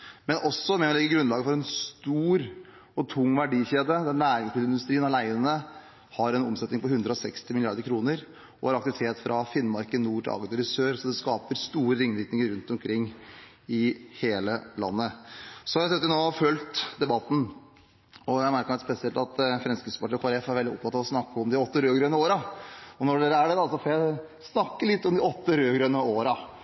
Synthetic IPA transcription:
mɛnʔɔsːɔmɛɔlɛɡːəɡɾʉnlɑːɡəfɔɾɛnst̪uːɾ | ɔt̪ʰʊŋːʋæɖiːçeːd̪əd̪ɛnlæːɾɪŋspɪləɪnd̪ʉst̪ɾiːənɑlæɪənə | hɑɾɛnɔmsɛt̪nɪŋpɔhʉnd̪ɾəɔsɛkst̪ɪmɪlɪɑɾd̪əɾkʰɾuːnəɾ | ʔɔhɑɾɑkt̪ɪʋɪt̪ʰeːt̪fɾʔɑfɪnːmɑɾkənuːʈʰɪ̰ɑ̰ːɡəʊɾɪsøːɾsɔd̪ɛskɑːpəɾst̪uːɾəɾɪŋːʋɪt̪nɪŋəɾʉnt̪ɔmkʰɾɪŋː | ɪheːləlɑ̰nːəsɔjæɪsœt̪ːənoːfœlt̪d̪ɛbɑt̪ːn̩ | ɔjæɪmæɾkəmɛt̪spɛsɪɛlt̪ɑt̪fɾɛnskɾɪt̪səpɑʈʰiːkʰɑɾɛfæɾʋɛld̪ɪɔ̰p̚t̪ʰɑt̪ːɑːʋɔsnɑkːəɔmd̪ɪɔt̪ːəɾøːɡɾœnəoːɾɑɔnɔɖeːɾəæɖɛd̪ɑsɔfoːjæɪ | snɑkːəlɪt̪ːɔmd̪ɪɔt̪ːəɾøːɡɾœnəoːɾɑ

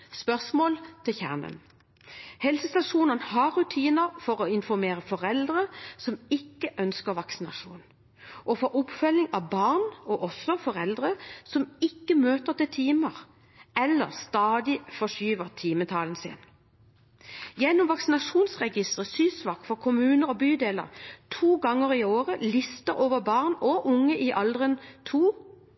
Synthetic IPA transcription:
spœʁsmoːlt̪ʰɪçæ̰ʁnə̰n | hɛlsəst̪ɑʂuːnənhɑʁʉt̪ʰiːnəʁfɔʁoːɪnfɔʁmeːʁəfɔʁɛld̪ʁəsɔmɪkːəʔœnskəʁʋɑksɪnɑ̰ʂṵːn | ʔɔfɔʔʊpfœlːɪŋɑʋbɑʁnɔʔɔsɔfɔʁɛld̪ʁəsɔmɪkːəmøːt̪ət̪ɪlt̪ʰiːməʁ | ɛlːəʁst̪ɑːd̪ɪfɔʂyːʋəʁt̪ʰiːmət̪ʰɑːln̩sɪ̰n | jɛnːʊmʋɑksɪnɑʂuːnsʁɛɡɪst̪ʁəsyːsʋɑːk̪fɔʁkʰʊmʉːnəʁɔbyːd̪eːlə̰ʁt̪ʰuːɡɑŋːəʁioːʁəlɪst̪əʁoːʋəʁbɑʁnɔʔʊŋːəʔiʔɑld̪ʁənt̪ʰuː

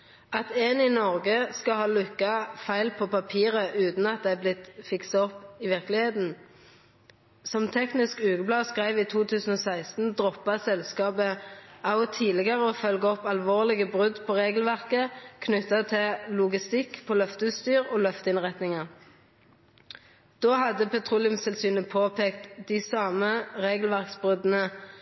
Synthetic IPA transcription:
ɑt̪ɛninɔʁɡəskɑhɑːlʉkːɑfæɪlpʰoːpɑpʰiːʁəʔʉːt̪n̩ɑt̪̚d̪æɪblɪt̪fɪksɑɔpɪʋɪʁklɪheːt̪n̩ | sɔmt̪ʰɛknɪskʉːɡəblɑːskʁæɪʋiːt̪ʰuːt̪ʰʉːsn̩oːsæɪst̪n̩d̪ʁɔpːɑsɛlskɑːbəɑʊt̪ʰiːlɪɡəʁəoːfœlɡəɔpɑlʋoːʁlɪɡəbʁʉd̪pʰoːʁeːɡlʋæʁkəkʰnʉt̪ːɑt̪ʰɪlʊɡɪst̪ɪkːpʰoːlœft̪əʉst̪yːʁoːlœft̪əɪnʁɛt̪nɪŋɑʁ | d̪̥oːhɑd̪əpʰɛt̪ʰʁuːlɪʉmsɛlsyːnəpʰoːpʰeːkt̪d̪ɪsɑːməʁeːɡəl̩ʋæʁksbʁʉd̪ənə

